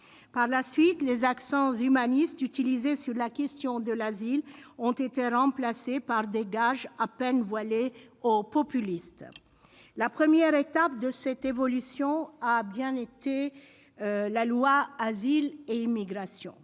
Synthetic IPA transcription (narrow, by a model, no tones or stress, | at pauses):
paʁlasɥit̪lezaksɑ̃zymanist̪yt̪ilizesyʁlakʲɛst̪jɔ̃d̪əlazilɔ̃t̪et̪eʁɑ̃plasepaʁd̪eɡaʒapɛnvwaleopɔpylist̪ | lapχəmjɛʁet̪ap̚d̪əsɛt̪evɔlysjɔ̃abjɛ̃et̪e | lalwaːzileimiɡʁasjɔ̰̃